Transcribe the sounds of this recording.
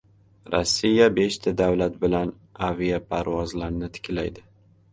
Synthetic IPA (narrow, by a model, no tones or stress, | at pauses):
ɾʔɒ̰sːijabe̞ʃt̪ʰad̪awlat̪̚bɪlan | avijapʰaɾvɒzlaɾnɪt̪ʰɪ̥kʲʰlajd̪ɪ